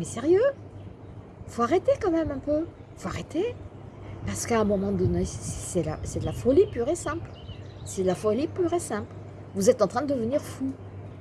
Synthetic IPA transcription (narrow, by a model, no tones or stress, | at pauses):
mɛsɛʁjø | foaʁet̪ekɑ̃mɛmɛ̃pø | foaʁet̪e | paʁsə̥kaɛ̃mɔmɑ̃d̪ɔnesɛla̰sɛd̪əlafɔlipyʁesɛ̃pl | sɛd̪əlafɔlipyʁesɛ̃pl | vuzɛt̪ɑ̃t̪χɛ̃d̪əd̪əvəniʁfu